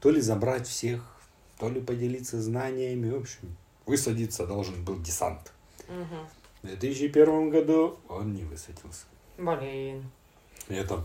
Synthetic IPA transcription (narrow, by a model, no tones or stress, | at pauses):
t̪o̞lʲɪzɐbɾatʲfsʲex | t̪o̞lʲɪpədʲɪlʲit̪sːəznanʲɪjəmʲɪvopɕɪm | vɨsɐdʲit̪səd̪o̞lˠʐɨnbɨlˠdʲɪsa̰nt̪̩ | vd̪vʲet̪ɨsʲt͡ɕːɪpʲe̞rvəmɡɐd̪uonnʲɪvɨsɐdʲilˠsʲə̥ | bɐlʲen | ɛt̪ə